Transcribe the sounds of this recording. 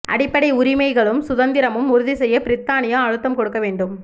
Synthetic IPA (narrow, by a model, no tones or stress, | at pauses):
ʔɐ̰ɽɪpːɐɽɐɪʊɾɪmɐɪɣɐɭɯmsʊðɐnd̪ɪɾɐmɯmʊɾʊðisɛjːɐpɪɾɪt̪ːaːnɪjaːɻɯt̪ːɐmkɔɽɯkːɐʋeːɳɖɯm